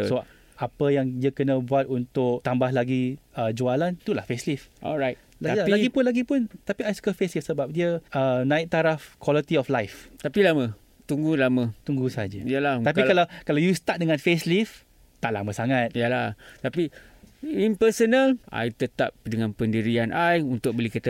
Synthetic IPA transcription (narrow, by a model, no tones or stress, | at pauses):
səba | apəjaŋdiəkənə̃buat̪̚unt̪ʊkt̪ambahlaɡiəd͡ʒualant̪ulahfeslifʔɔ̰lɹajt̚ | aalaɡipʊnlaɡipʊnt̪apiajsu̥kəfeslifsəbap̚diəənãɪʔk̚t̪aɾafkwɔlit̪iɔflajft̪apilamə̃ | t̪uŋɡulamə̃t̪uŋɡusad͡ʒajəlaht̪apikalawkalawjust̪at̪̚dəŋãnfeslif | t̪aʔla̰mə̃saŋat̪̚jəlaht̪api | impəsənalʔa̰jt̪ət̪a̰p̚dəŋãnpəndiɾianʔajunt̪ʊk̚bəlikit̪ə